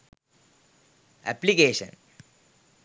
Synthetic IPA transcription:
ɛ̰plikeːʃə̰̃n

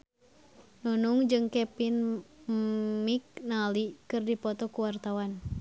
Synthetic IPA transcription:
nunuŋd͡ʒɨŋkɛpin | miknalikɨrdipɔt̪ɔkuwart̪awan

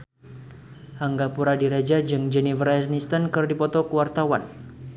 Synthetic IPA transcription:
haŋɡapuɾadiɾad͡ʒad͡ʒɨŋd͡ʒɛnivərɛsnist̪ənkɨrdipɔt̪ɔkəwart̪awan

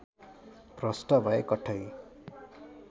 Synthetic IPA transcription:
prʌsʈʌbʱʌekʌʈʰʌj

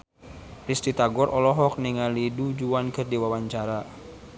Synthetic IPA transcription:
rist̪it̪aɡɔɾʔɔlɔɦɔk̚niŋalidud͡ʒuankərdiwawaɲt͡ʃaɾa

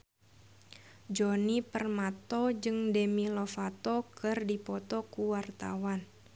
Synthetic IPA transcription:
d͡ʒɔnipərmat̪ɔd͡ʒɨŋdemilɔfat̪ɔkɨrdipɔt̪ɔkuwart̪a̰wan

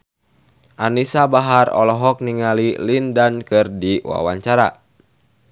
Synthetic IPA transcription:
ʔanisabaɦarɔ̰lɔɦɔk̚niŋalilindankɨrdiwa̰waɲt͡ʃaɾa

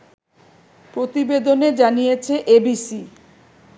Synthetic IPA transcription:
pɾot̪ibed̪oned͡ʑanijet͡ɕʰeʔebisi

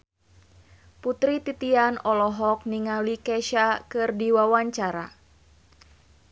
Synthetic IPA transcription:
put̪ɾit̪it̪ianɔlɔɦɔk̚niŋalikɛʃakɨrdiwawaɲt͡ʃaɾa̰

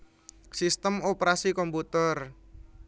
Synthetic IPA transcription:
sist̪əmopɾasikɔmput̪ər

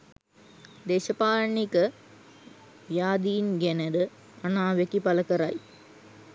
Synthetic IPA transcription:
d̪eːʃɐpaːɾɳikɐ | jaːd̪iːnɡɛnɐɾɯ | ɐnaːʋekːipɐlɐkɐɾaːj

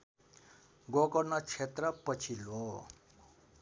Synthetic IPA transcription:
ɡokʌrnʌt͡sʰet̪rʌpʌt͡sʰilɦo

